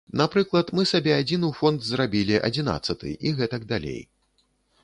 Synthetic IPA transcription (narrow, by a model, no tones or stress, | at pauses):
napɾɨklˠɐt̪mɨsabʲɛad͡zʲinɨwfɔnd̪zrabʲilʲiʔɐ̰d͡zʲina̰t̪sːɐt̪ɨ̰ʔiɣɛt̪ɐɡd̪alʲḛj